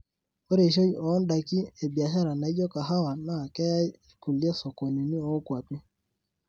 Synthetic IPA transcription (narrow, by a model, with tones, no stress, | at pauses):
e˦ɾe˨ʃo˦ɔ˨ɔ˦nda˨ki˦e˨bi˨a˨ʃa˦ɾa˨na˨i˦d͡ʒɔ˦ka˨ɦa˦wa˨na˨kɛ˦ja˦˨ku˨li˦e˦sɔ˨kɔ˨ni˨ni˦ɔ˦kwa˨pi˦